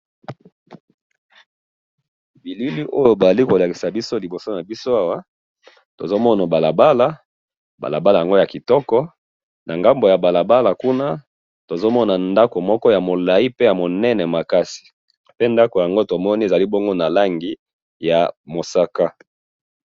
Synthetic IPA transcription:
bi˨li˦li˦ʔo˦jo˦ba˨a˨li˦ko˨la˨ki̥˨sa˨bi˦so˦li˨bo˨so˦na˨bi˦so˦a˦wa˦ | to˨zo˦mɔ˦na˨ba˨la˨ba˦la˨ | ba̰˨la̰˨ba˦la˨ja˨ŋɡo˦ja˨ki˨tɔ˦kɔ˦ | nʔa˨ŋɡa˦mbo˨ja˨ba˨la˨ba˦la˨ku˦na˦ | to˨zo˦mɔ˦na˨nda˦ko˨mɔ˦kɔ˦ja˨mo˨la˨i˦pe˦ja˨mo˨nɛ˦nɛ˨ma˨ka˦si̥˨ | pe˦nda˦ko˨ja˨ŋɡo˦to˨mɔ˦ni˦e˨za˨li˦bo˦ŋɡo˦na˨la˦ŋɡi˨ | ja˨mo˨sa˦ka˦

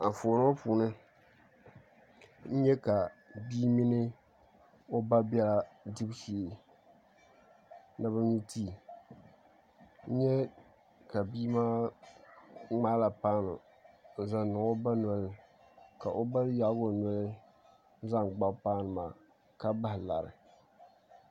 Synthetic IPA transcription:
a˨fo˨nɨ˦a˦puː˨nɨ˦ | n̩˦ɲɛ˦ka˨bi˦mi˦nɨ˦ | o˦ba˦bɛ˦la˦dɨ˦bʃi˦˨ | na˨bɨ˦ɲi˦tiː˦˨ | n̩˦ɲɛ˦ | ka˨biː˦maː˦ | ŋ͡maː˦la˨paː˦nʊ˨ | za˨nʊ˨o˦ba˦nɔ˨lɨ˦ | ka˨ʔo˦ba˦ja˨ʔɡo˨nɔ˨lɨ˦ | za˦ŋɡ͡ba˦paː˦nɨ˨maː˨ | ka˦ba˦hɪ˨la̰˨ɾɨ̰˨

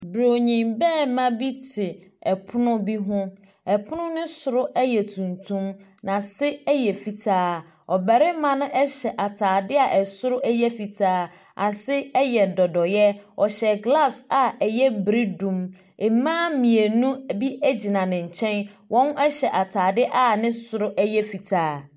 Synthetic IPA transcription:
bɾo˨ɲĩ˨mbɛː˦˨mã˦bi˦tʰɪ˨ɛ˨pʰʊ˦nʊ̃˦bi˦ɦʊ̃˦ | ɛ˨pʰʊ˦nʊ̃˦nʊ̃˦sʊ˨ɾʊ˦ʔɛ˦jɛ˨tʰũ˨ntʰũ˦mnã˨sɪ˦ɛ˦jɛ˨fi˨tʰaː˦ | ɔ˨bɛ˨ɾɪ˦mã˨nʊ̃˦ʔɛ˦ɕɛ˨ʔa˨tʰaː˨dɪ˦a˨ʔɛ˨sʊ˦ɾʊ˦ʔɛ˦jɛ˦fi˨tʰaː˦ | a˨sɪ˦ɛ˦jɛ˨dɔ˨dɔ˨jɛ˦ɔ˨ɕɛ˨ɡla˦fsa˨ɛ˨jɛ˦bɾi˦dũ˦m | ɪ˨mãː˦mĩ˨e˨nũ˦bi˦ɛ˦d͡ʑi˨nã˨nɪ̃˨ɲ̩˨t͡ɕʰɛ̃˦nwʔɔ̃˦n˦ɛ˦ɕɛ˨ʔa˨tʰaː˨dɪ˦ʔa˦nɪ̃˦sʊ˨ɾʊ˦ʔɛ˦jɛ˦fi˨tʰaː˦

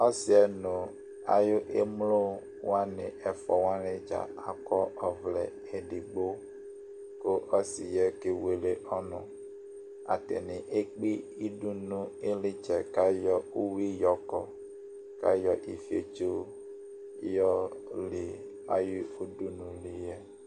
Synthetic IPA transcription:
ɔ˦sɪ˨ɛ˨nʊ̃˨ | a̰˨jʊ˦ʔe˦mlo˦ | wa˦nɪ˨ʔɛ˨fɔ˨wã˦lɪ˦d͡ʒa̰˨a˨kɔ˦ʔɔ˨vlɛ˨ | ɛ˨di˨ɡ͡bo˦ | ko˦ʔɔ˦sɪ˨jɛ˦ke˦we˨˦le˦ʔɔ˦nʊ̰̃˨ | a̰˨tɛ̰˨nɪ̃˨ʔe˦k͡pi˦i˦du˦nũ˦e˦lɪ˦t͡ʃɛ˨ka˦jɔ˦u˦wi˦jɔ˨kɔ˨ | ka̰˦jɔ˨ʔi˨fi˦ḛ˨t͡ʃo˦ | jɔ˦li˨ | a̰˨ji˦o˦du˦nũ˨li˨jɛ˦

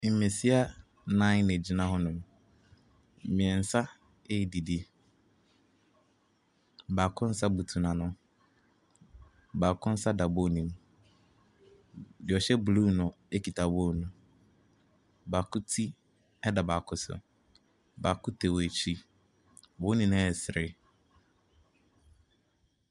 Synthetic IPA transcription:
me˨si˦a˦ | nã˦ɪ̃˦ne˨d͡ʑi˨nã˦ɦɔ˦nʊ̃˨m˨ | mɪ̃˨ɛ˨n̩˨sa˦ | e˦˨di˨di˦˨ | ba˨kʰʊ̃˦n̩˦sa˦bu˨tʰu˨nã˨nʊ̃˦ | baː˨kʰʊ̃˦n̩˦sa˦da˨bo˦˨nĩ˨m | dɪ˨ɔ˨ɕɛ˦blu˦nʊ̃˨ | e˦kʰi˨tʰa˨bo˦˨nʊ̃˨ | ba˨kʊ˦tʰi˦ | ɛ˦da˨ba˨kʰʊ˦sʊ̰˨ | ba˨kʊ˦tʰe˨we˨t͡ɕʰi˦ | wo˨˦nĩ˨ñ˦ɛ˨sɾɪ˦

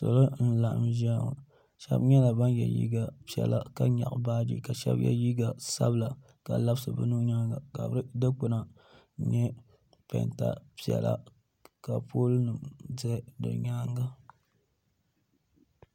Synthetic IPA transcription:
so̰˨lo˦n̩˦la˨ʔa̰˨mʒa˦ŋ˨ | ʃɛ̰˦bɲɛ˦la˨ba˦njɛ̰˨jḭ˦ɡa˨pi˨ɛ̰˨la˨ka˦ɲa̰˨ʔbaː˦dḭ˦ka˨ʃɛ̰˦bjɛ̰˦ji˦ɡa˨sa˦bla˨ | ka˨la˦bsɨ˨bɨ˦nu˦ɲa˦ŋɡa˨ka˨bɨ˦ɾɨ˦dɨ˦k͡pʊ˦na˨˦ | ɲɛ˦ | pɛ̰˨nta̰˨pi˨ɛ̰˨la̰˦ | ka˨po˦lnɨ˨mdɨ˦dɨ̰˨ɲa˦ŋɡa˦

